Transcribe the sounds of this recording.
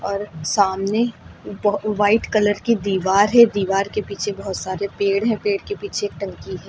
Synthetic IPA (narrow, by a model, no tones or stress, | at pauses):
ɔːɾsaːmne | ʋaːɪʈkɐləɾkid̪iːʋaːɾɦɛd̪iːʋaːɾkepiːt͡ʃʰebɔɦʊt̪saːɾepeːɽɦɛ̃peːɽkepiːt͡ʃʰeːk̚ʈɐ̃ŋkiɦɛː